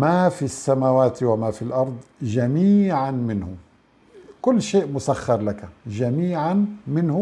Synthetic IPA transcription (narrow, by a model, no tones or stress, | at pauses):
mafisːamawaːt̪wamafilʔɑɾˤd̪ˤʒaæmiːʕanmɪnhʊ̰ | kʊlːʃeːʔmʊsaxːɑɾˤlakaʒamiːʕanmɪnhʊ